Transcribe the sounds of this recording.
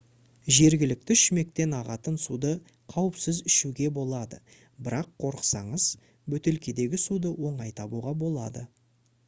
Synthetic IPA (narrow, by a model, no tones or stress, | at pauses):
ʒe̞ɾɡʲɪlɪk̚t̪ɪʏʃme̞k̚t̪e̞nɑʁɑt̪ənsud̪ə | qʰɑwəpsɪzɪʃuɡʲe̞bo̞lˠɑd̪ə | bɪɾɑqʰːo̞ɾəqsɑ̰ɴəz̥ | bɵt̪e̞lkʲed̪e̞ɡʲɪsud̪əwo̞ɴɑjt̪ʰɑbuʁɑbo̞lˠɑ̰d̪ə̰